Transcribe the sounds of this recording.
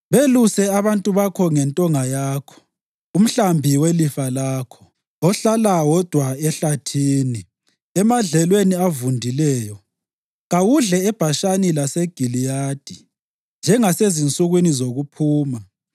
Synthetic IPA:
βelusɛaβantʼuβakʰɔŋɛntʼɔŋajaːkʰɔ̥ | um̩ɬambʱiwelifalaːkʰɔ̥ | ɔɬalawɔd̥ʱwaɛɬatʰiːni | ɛmaɮɛlweniavundʱilɛːjɔ | ɣawuɮɛɛb̥ʱaʃanilaseɡ̥ʱilijaːd̥ʱi | nd͡ʒʱɛŋasezint͡sʼuɣwinizoɣupʰuːma

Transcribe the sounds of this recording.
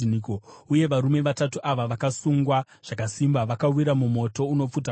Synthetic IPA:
nikouje̞ʋaɾume̞ʋatatuʔaʋaʋakasuŋɡwa | ʐ̥akasimbaʋakawiɾamumo̞to̞uno̞p͡fut̬a

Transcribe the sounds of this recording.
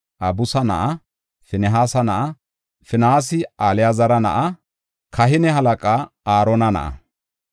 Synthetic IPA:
ʔɐbʊsɐnɐ̰ʔɐ | fɪnɛɦaːsɐnɐʔɐ | fɪnaːs̬ɪaːlɪjazɐɾɐnɐ̰ʔɐ | kɐɦɪnɛhɐlɐkʼaːaːɾɔːnɐnɐ̰ʔɐ̰

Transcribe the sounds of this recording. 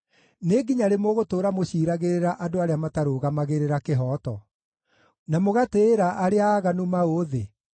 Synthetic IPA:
neɡiɲaɾemoɣotoːɾamoɕiːɾaɣeɾeɾaʔadoaɾeamataɾoːɣamaɣeɾeɾakeɦɔːtɔ | namoɣateːɾaʔaɾeaɣanumaoːðe

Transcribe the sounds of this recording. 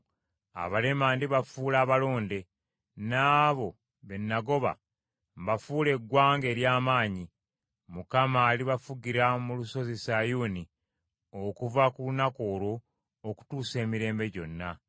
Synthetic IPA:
a̰βale̞maːndiβafuːlaːβalo̞ːnde̞ | naːβo̞ | βe̞nːaɡo̞βa̰ | mbafuːle̞ɡwaːŋɡe̞ːɾjaːmaːɲi | mukamaːliβafuɡiɾamuluso̞zesajuːni | okuvakulunako̞ːɾo̞ː | ku̥tuːse̞ːmiɾe̞ːmbe̞ɟo̞nːa

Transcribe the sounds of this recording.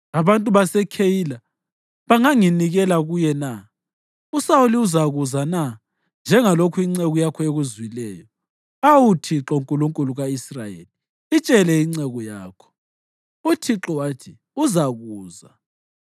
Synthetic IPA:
aβantʼuβasɛkʰejila | βaŋaŋiniɣɛlaɣujɛna | usawuliuzaɣuzana | nd͡ʒʱɛŋalokʰuiŋ͡ǀɛɣɔjakʰɔeɣuzwilɛːjɔ | awutʰiǁɔuŋkʼuluŋkʼuluɣaisrajḛli | it͡ʃʼɛlɛiŋ͡ǀɛɣɔjaːkʰɔ̥ | utʰiǁɔwatʰi | uzaɣuːza

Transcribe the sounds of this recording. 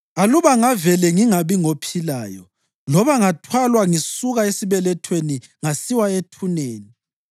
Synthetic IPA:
aluβaŋavɛlɛŋiŋaβiŋopʰila̰ːjɔ̰ | lɔβaŋatʰwalwaŋisuɣaesiβɛlɛtʰweni | ŋasiwaetʰuneːni

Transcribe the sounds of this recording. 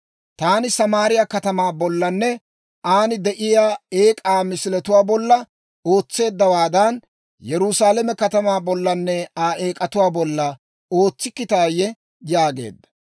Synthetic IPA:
t̪aːnɪsɐmaːɾɪjakɐt̪ɐmaːbɔlːɐnːɛ | ʔaːnɪd̪ɛʔɪjaːeːkʼaːmɪsɪlɛt̪ʊwaːbɔlːɐ | o̞ːt͡sːe̞ːd̪ːɐwaːd̪ɐn | jɛɾʊsaːlɛmɛkɐt̪ɐmaːbɔlːɐnːɛaːʔeːkʼɐt̪ʊwaːbɔlːɐ | o̞ːt͡sːɪkːɪt̪aːjɛ | jaːɡe̞̰ːd̪ːɐ̥

